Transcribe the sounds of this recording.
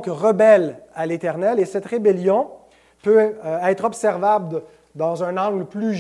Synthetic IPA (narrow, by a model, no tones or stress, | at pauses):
kʁəbɛlalet̪ɛʁnɛlesɛt̪ʁebeljɔ̃ | pøɛːt̪χɔbsɛʁvabl | d̪ɑ̃zœ̃nɑ̃ːɡlply